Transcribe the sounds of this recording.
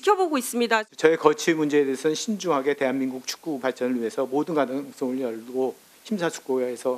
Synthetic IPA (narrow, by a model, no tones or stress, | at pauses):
ikʰjʌboɡois͈ɯmɲidat͡ɕʌekʌt͡ɕʰimund͡ʑe̞ːdesʰʌnɕʰind͡ʑuɦaɡe̞te̞ɦanminɡuk̚t͡ɕʰu̥k̚k͈upaɭt͡ɕ͈ʌnɯɭɥiɦe̞sʰʌmodɯnɡanɯs͈oŋɯɭjʌɭɡo | çʰimsʰat͡ɕʰu̥k̚k͈oesʰʌ